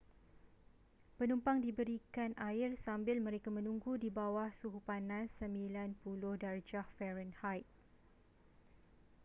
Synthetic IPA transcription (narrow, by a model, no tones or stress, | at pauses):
pənumpaŋdibəɾikanʔaɪrsambɪlmə̃ɾekamə̃nũŋɡudibawahsuɦupanasəmbilanpulʊhdard͡ʒahfɛɾənhajt̪̚